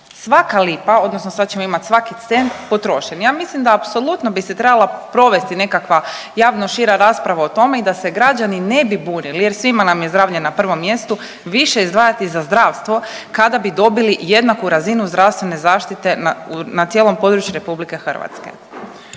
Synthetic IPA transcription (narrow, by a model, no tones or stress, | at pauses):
sʋakalipao̞d̪nosnosad̪t͡ɕe̞moimat̪ʲsʋakit̪se̞nt̪po̞t̪ɾo̞ʃenjaːmislimd̪aːpso̞lˠut̪nobiset̪ɾe̞balˠapɾo̞ʋe̞st̪ine̞kakʋa | jaːʋno̞ʃiɾaɾaspɾaʋaot̪o̞me̞id̪ase̞ɡɾad͡ʒanine̞bibuːnilije̞ɾsʋimanamjezd̪ɾaːʋʎenːapr̩ʋo̞mːje̞st̪u | ʋiʃe̞izd̪ʋaːjat̪izazd̪ɾaːʋst̪ʋo̞ | kad̪abid̪o̞bilije̞d̪nakuɾazinuzd̪ɾaʋst̪ʋe̞ne̞zaːʃt̪it̪e̞naunat̪jeːlˠo̞mpo̞d̪ɾut͡ɕjuɾe̞publike̞xr̩ʋa̰t̪skḛ